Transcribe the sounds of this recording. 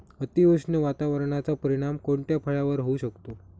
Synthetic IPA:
ət̪iʋəʂneʋat̪aʋəɾɳat͡sapəɾiɽ̃amkoɳʈ̪japʰəɭaʋəɾɦouɕəkt̪o

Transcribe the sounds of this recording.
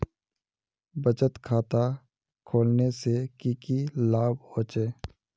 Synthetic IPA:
bət͡ʃət̪kʰaːt̪a | kʰoːlnesekiːkilaːboːt͡ʃeː

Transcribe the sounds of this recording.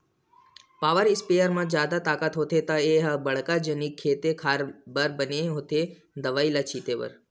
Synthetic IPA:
paːʋəɾɪspeːjəɾmãd͡ʒjaːd̪at̪aːkat̪ɦot̪ʰet̪ãeɦbəɭ̤kad͡ʒənikʰːeːt̪ekʰaːɾbəɾbəneɦot̪ʰe | d̪əʋailat͡ʃʰiːt̪eʋə̰ɾ

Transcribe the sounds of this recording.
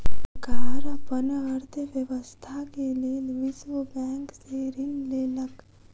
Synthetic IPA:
ɡaɾapənəɦəɾt̪ʰəʋjəʋəst̪ʰakelieʋɪʃwəbɛ̃ːŋkseɾɪnleːlək

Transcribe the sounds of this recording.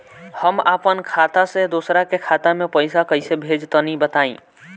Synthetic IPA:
həmaːpənkʰaːt̪ased̪uːsɾakekʰaːt̪amẽpəɪsakəɪsebʱeːd͡ʒt̪ənibət̪aːḭ̃ː

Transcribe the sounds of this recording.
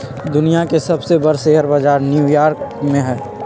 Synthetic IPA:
d̪ʊnijakesɐbsebɐɾseɦəɾbad͡ʒaːɾnjuːjaːɾkmẽɦɛː

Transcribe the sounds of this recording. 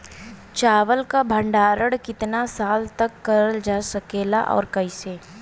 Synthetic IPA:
t͡ʃaːʋəlkabʱə̃ɳɖaːɾəɽkɪt̪nasaːlt̪ɐkːɐɾəld͡ʒaːsɐkeːla̰ʔɔ̰ːɾkɐiseː

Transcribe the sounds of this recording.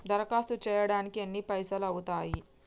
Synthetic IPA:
d̪ɐɾɐkaːst̪ut͡ʃɛːjɐɽaːnikienːipɐjsɐlɐwut̪aːji

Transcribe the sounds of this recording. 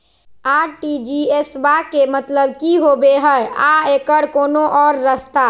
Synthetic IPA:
aːɾʈid͡ʒiesbakemət̪ləbkiɦobeɦəaekəɾkoːnoʔɔːɾːəst̪a

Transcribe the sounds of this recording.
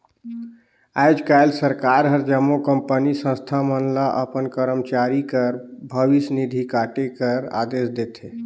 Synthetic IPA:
ajd͡ʒkajlsəɾkaɾɦəɾd͡ʒəmːokəmpənisə̃st̪ʰamənlaʔəpənkəɾəmt͡ʃaɾikəɾbʱəʋisnid̪ʱikaʈekəɾa̰d̪esd̪et̪ʰe

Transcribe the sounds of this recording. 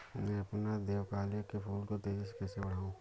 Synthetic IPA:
mɛ̃ɐpnad̪eːʋkaːlekepʰuːlkot̪eːd͡ʒɪskɛːsebɐɽ̤aːũː

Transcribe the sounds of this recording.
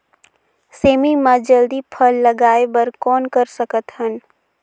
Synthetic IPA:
seːmimãd͡ʒəld̪ipʰəlːɐɡaːebəɾkɔːnkəɾsəkət̪ɦən

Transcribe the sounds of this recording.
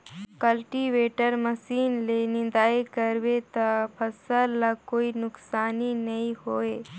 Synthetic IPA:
kəlʈiʋeːʈəɾmɐsiːnlenɪ̃nd̪aːekɐɾʋet̪apʰɐsəlːakoːinʊksaːninɐĩhoːeː

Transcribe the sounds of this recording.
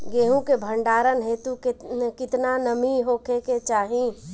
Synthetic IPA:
ɡeːɦũkebʱə̃ɳɖaːɾənɦet̪ukkɪt̪nanəmiɦoːkeket͡ʃaːɦĩ

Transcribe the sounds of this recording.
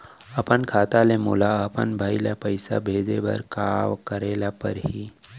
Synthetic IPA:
ɐpənkʰaːt̪alemoːlaɐpə̰nbʱaːilapəɪsa̰bʱeːd͡ʒebɐ̰ɾkaːʋkəɾeːlapəɾɦi

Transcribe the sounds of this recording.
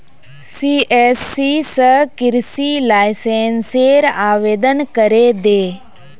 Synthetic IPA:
siːeːsːisəkɪɾsiːlaːɪsẽːnseːɾaːʋeːd̪ənkəɾeːd̪eː

